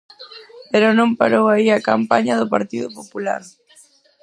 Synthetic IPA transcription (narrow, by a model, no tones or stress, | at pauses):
peɾʊnõmpa̰ɾowaiakampaɲɐðʊpaɾt̪iðʊpopula̰ɾ